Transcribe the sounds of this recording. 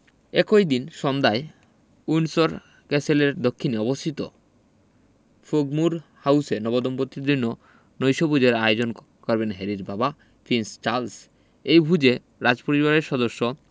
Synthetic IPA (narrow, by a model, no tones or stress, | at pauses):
ḛkojd̪inʃɔnd̪ae | ujnsoɾ | kɛseleɾd̪okʰːineɔbost̪ʰit̪o̰ | foɡmuɾhawsenɔbod̪ompot̪ːiɾd̪inːo | nojʃobud͡ʑeɾajod͡ʑon | kɔɾbenɦɛɾiɾbaba | pʰinst͡ɕaɾls | ejbʱud͡ʑe | ɾad͡ʑpoɾiβaɾeɾʃɔd̪oʃːo